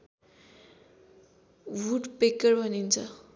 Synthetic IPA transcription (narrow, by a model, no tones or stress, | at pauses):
wuʈpekːʌrbʱʌnint͡sʰʌ